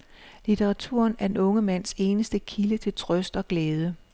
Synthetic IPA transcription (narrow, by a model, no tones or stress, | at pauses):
lit͡sʰeʁɑ̈t͡sʰṵɐ̰næɐd̥enɔ̽ŋəmæn̰se̝ːnəsd̥əkʰilət͡sʰe̝lt͡sʰʁœsd̥ɒ̽ɡ̥lɛːð̞ˠə